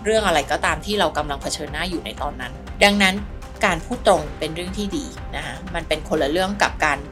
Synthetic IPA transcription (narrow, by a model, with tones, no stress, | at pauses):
ɾɯ˥˩əŋʔa˧ɾa˧jkɔː˥˩t̪aː˧mt̪ʰiː˥˩ɾa˧wka˧mla˧ŋpʰa˧t͡ɕʰɤː˧nːaː˦˥˩juː˨˩na̰˧jt̪ɔː˧nːa˦˥nda˧ŋna˦˥n | kaː˧npʰuː˥˩t̪ːɾo˧ŋpe˧nɾɯ˥˩əŋt̪ʰiː˥˩diː˧ | na˦˥kʰa˦˥ma˧npe˧nkʰo˧nla˧ɾɯ˥˩əŋka˨˩p̚kaː˧n